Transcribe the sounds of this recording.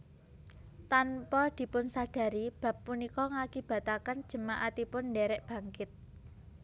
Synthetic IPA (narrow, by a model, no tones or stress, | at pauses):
t̪anpɔd̪̥i̤pʊnsaɖ̥ä̤ɾib̥ä̤pːunikɔŋakib̥a̤t̪akən̥ʒ̥ə̤maʔat̪ipʊndɛɾɛʔb̥ä̤ŋkɪt̪̚